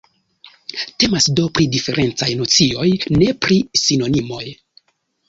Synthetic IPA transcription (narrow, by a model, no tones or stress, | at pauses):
te̞masdo̞pɾidife̞ɾʔe̞nt͡sajno̞t͡sio̞jne̞pɾisino̞nimo̞j